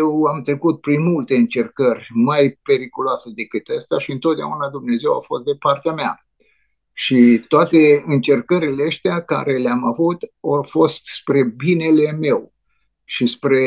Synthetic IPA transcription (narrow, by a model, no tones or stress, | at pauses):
jewamt̪ɾe̞kut̪̚pɾinmult̪e̞ɨnt͡ʃe̞rkərʲmajpe̞ɾikuloased̪e̞kɨt̪əst̪eaʃiɨnt̪o̞t̪̚d̪ea̰unad̪umne̞ze̞wa̰fo̞st̪̚d̪e̞part̪eamea | ʃit̪oat̪e̞ɨnt͡ʃe̞rkəɾileəst̪eaka̰ɾe̞leamavut̪orfo̞st̪spɾe̞bine̞le̞me̞w | ʃispɾe̞